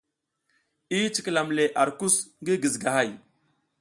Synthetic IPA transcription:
i˦t͡ʃi˨kla˨mle˨ʔa˨ɾku˦sŋɡi˦ɡi˨zɡa˨ɦa˦˨j

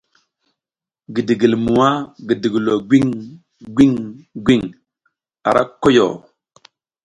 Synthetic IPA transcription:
ɡi˨di˨ɡi˨lmu˨wa˦ɡi˨di˨ɡi˨lo˨ɡʷi˦ŋ | ɡʷi˦ŋɡʷi˦ŋ | a̰˨ɾʔa̰˦ko˦jo̰˨

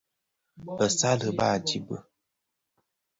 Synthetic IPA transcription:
ə˨sa˦lə˨ba˦˨d͡ʒi˨bə̰˨

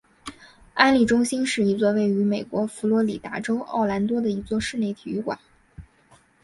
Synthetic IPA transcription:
a˥nli˨˩ʈ͡ʂʊ˥ŋɕi˥nʂɻ̩˥˩i˧˥t͡swɔ˥˧we˥˩ɪy˧˥me˨˩ɪkwɔ˧˥fu˧˥lwɔ˧˥li˨˩t̪a̰˧˥ʈ͡ʂo˥ʊʔɑ̰˥˩ʊla˧˥nt̪wɔ˥d̪ə˨i˧˥t͡swɔ˥˧ʂɻ̩˥˧ne˥˩ɪt̪ʰi˨˩y˥˩kwa̰˨˩˦n

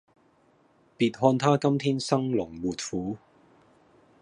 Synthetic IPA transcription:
piː˨˧t̚ɦɔː˧nt̪ʰaː˥kɐ˥mt̪ʰiː˥nsɐ˥ŋlʊ˨˩ŋwuː˨˩t̚fuː˨˥

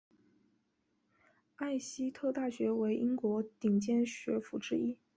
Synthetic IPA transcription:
a˥˩ɪɕi˥t̪ʰo˥˧ʊt̪a˥˩ɕɥɛ˧˥we˧˥ɪʔi˥ŋkwɔ˧˥t̪i˨˩ŋt͡ɕjɛ˥˩nɕɥɛ˧˥fu˨˧˩ʈ͡ʂɻ̩˥i˥

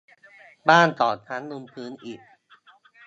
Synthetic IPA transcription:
baː˥˩nt̪ɔː˨˩t͡ɕʰa˦˥nːu˧mpʰɯː˦˥nʔiː˨˩k̚

